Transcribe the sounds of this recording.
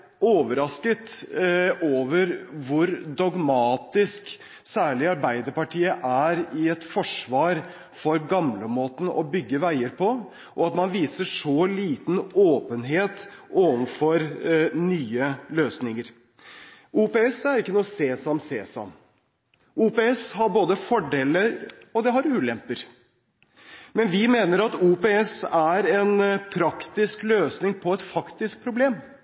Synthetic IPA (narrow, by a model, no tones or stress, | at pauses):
oːʋəɾɑskət̪ | oːʋəɾʋʊɾd̪ɔɡmɑːt̪ɪsk | sæːɭɪɑɾbæɪd̪əɾpɑʈiːəʔæɾɪɛt̪fɔʂʋɑːɾ | fɔɾɡɑmləmoːt̪n̩ɔ̰bʏɡːəʋæɪəɾpʰɔ | ʔɔɑt̪mɑnʋiːsəʂɔliːt̪noːpənɦeːt̪ʔoːʋənfɔɾnyːəløːsnɪŋəɾ | uːpeɛsæɾɪkːənuːəseːsɑmsḛːsɑ̰m | ʔuːpeːɛshɑɾboːd̪əfɔɖeːləɾɔd̪ɛɦɑɾʉːlɛmpəɾ | mɛnʋɪmeːnəɾɑt̪uːpeːɛsæɾɛnpʰɾɑkt̪ɪskløːsnɪŋpʰɔɛt̪fɑkt̪ɪsk̚pʰɾʊbleːm